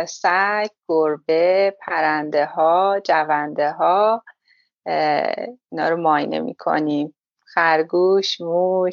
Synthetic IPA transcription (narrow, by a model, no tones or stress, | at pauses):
sækɡ̥oɾbepʰæɾænd̪ehɒːd͡ʒævænd̪eɦɒː | inɒ̰ːɾomɒːjnḛmḭːkʰo̞̰niːm | xæɾɡuʃmuʃ